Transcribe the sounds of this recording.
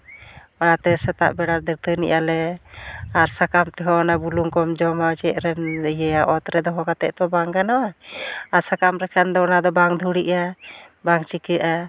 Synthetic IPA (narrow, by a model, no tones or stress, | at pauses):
manat̪ɛsɛt̪a̰ʔbɛɽaɾd̪əɾ̚t̪ənḭʔalɛ | aɾsakamt̪ɛɦɔnabuluŋkɔmd͡ʒɔmad͡ʒɛʔɾɛnjɛaʔɔt̪ɾɛd̪ɔɦɔkat̪ɛ̰ʔt̪ɔbaŋkanawaaɾsakamɾɛkʰand̪ɔnad̪ɔbaŋd̪ʱuɽiʔabaŋt͡ʃikəʔa